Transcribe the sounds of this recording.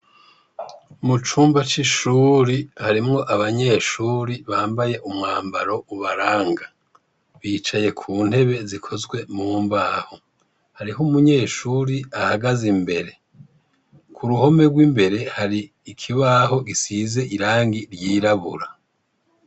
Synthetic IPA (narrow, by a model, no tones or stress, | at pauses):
mut͡ʃuːmbat͡ʃiʃuːɾihaɾimŋo̞ʔaβaɲe̞ːʃuːɾiβaːmbaje̞ʔumŋaːmbaɾo̞uβaɾaːŋɡa | βiːt͡ʃaje̞kʰuːn̥he̞βe̞zikʰo̞zɡwe̞muːmbaːho̞ | haɾiɦomuɲe̞ːʃuːɾiahaɡazimbe̞ɾe̞ | kʰuɾuho̞me̞ɡwimbe̞ɾe̞haɾiː | kʰiβaːɦo̞ɡisize̞ʔiɾaːŋɡiɾjiːɾaβuɾa